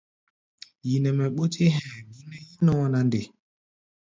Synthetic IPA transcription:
ji˨nɛ˨mɛ˨ɓo˦te˦ɦɛ̃˨mi˦nɛ˦ji˦nɔ̃˦na˨n˦de˨

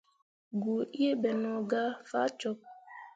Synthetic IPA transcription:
ɡu˨i˦e˦bɛ˨nɔ˨ɡa˦fa˦t͡ʃɔ˦p̚

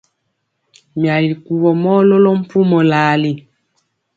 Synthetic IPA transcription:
mja˨li˨ku˨wɔ˨mɔ˦lɔ˦lɔ˦m̩˦pu˦mɔ˨la˨˦li˦

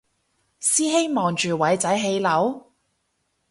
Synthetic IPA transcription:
siː˥ɦe˥jmɔː˨˩ŋt͡ʃyː˨wɐ˨˥jt͡sɐ˨˥jɦe˧jlɐ˨˥w

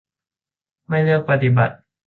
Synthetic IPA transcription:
ma˥˩jlɯ˥˩ək̚pa˧t̪i˨ba̰˨˩t̪̚

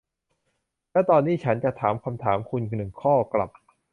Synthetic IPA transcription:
lɛ˦˥˩t̪ɔː˧nːiː˦˥˩t͡ɕʰa˦˥nt͡ɕa˨˩t̪ʰaː˩˦mkʰa˧mt̪ʰaː˩˦mkʰu˧nkʰɯ˧nɯ˨˩ŋkʰɔː˥˩kla˨˩p̚

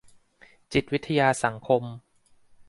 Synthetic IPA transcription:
t͡ɕi˨˩t̪̚wi˦˥t̪ʰːa˧jaː˧sa˩˦ŋkʰo˧m

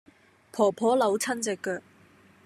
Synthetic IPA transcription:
pʰɔː˨˩pʰɔː˨˥lɐ˨˧wt͡sʰɐ˥nt͡sɪ˨kːœː˧k̚

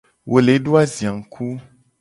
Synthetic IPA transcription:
wʔo˨le˨˦ɖo˦a˦zi˨a˨ŋ̩˨kʰu˦

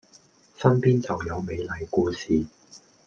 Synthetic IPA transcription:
sɐ˥npiː˥nt͡sɐ˨wjɐ˨˧wme˨˧jlɐ˨˧jkuː˧siː˨

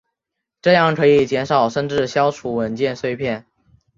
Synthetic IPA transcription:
ʈ͡ʂɤ˥˧jɑ˥˩ŋkʰɤ˧˥i˨˩t͡ɕjɛ˧˥nʂɑ˨˩ʊʂə˥˧nʈ͡ʂɻ̩˥˩ɕjɑ˥ʊʈ͡ʂʰu˧˥˩wə˨˩nt͡ɕjɛ˥˩˧nswe˥˧ɪpʰjɛ˥˩n

